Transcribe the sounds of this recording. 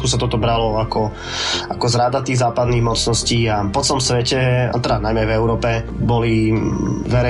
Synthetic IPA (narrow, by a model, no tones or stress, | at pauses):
kus̬at̪ɔt̪ɔbɾalɔakɔ | akɔzɾad̪at̪iːɣzaːpad̪niɣmɔt͡snɔsciːapɔt͡sɛlɔmsʋɛcɛa̰t̪ɛɾanajmɛajvɛʊɾɔːpɛ | bɔli | ʋɛɾɛ